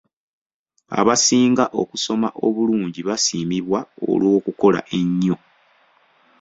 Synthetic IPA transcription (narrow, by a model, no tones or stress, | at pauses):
a̰βasiːŋɡaʔo̞kuso̞ma̰ʔo̞βuluːɲɟiβasiːmiβwao̰lwo̞ːkuko̞la̰ʔe̞ɲːo̞